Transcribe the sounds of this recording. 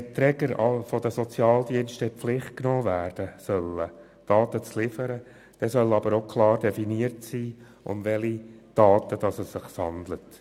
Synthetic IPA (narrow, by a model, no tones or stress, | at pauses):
ɛtɾɛɡəɾɑfɔdəsɔt͡sjɑːld̪iənʃtəpflɪχt̚knoːvæːrd̥əsœlːə | d̥ɑːt̪ət͡slɪfəɾə | d̥ɛsœlɑbəɾoʊkʰlɑːɾd̥ɛfiniəɾtsiː | ʊ̰mʋɛlid̥ɑːt̪əd̥ɑsəsɪχsɑnd̪lət